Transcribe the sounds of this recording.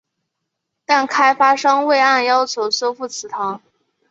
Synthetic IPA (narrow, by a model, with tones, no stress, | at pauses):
t̪a˥˩nkʰa˥ɪfa˥ʂɤ˥ŋwe˥˧ɪa˥˩njɑ˥ʊt͡ɕʰjo˧˥ʊswɔ˥˧fu˥˩t͡sʰɹ̩˨˩t̪ʰɑ˧˥ŋ